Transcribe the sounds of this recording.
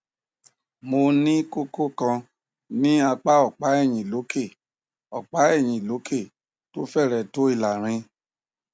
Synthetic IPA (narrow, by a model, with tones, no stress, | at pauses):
mo˧nĩ˦ko˦ko˦kã˧ | nĩ˦a˧k͡pa˦ɔ˦˨k͡pa˨˦ɛ˦˨j̃ĩ˨lo˨˦ke˦˨ | ɔ˨k͡pa˨˦ɛ˦˨j̃ĩ˨lo˨˦ke˦˨ | to˦fɛ˦˨ɾɛ˨to˨˦i˦˨la˨ɾ̃ĩ˧